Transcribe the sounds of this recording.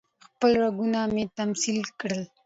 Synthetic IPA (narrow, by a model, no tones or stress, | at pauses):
xpəlɾaɡunamet̪amsilkɽəl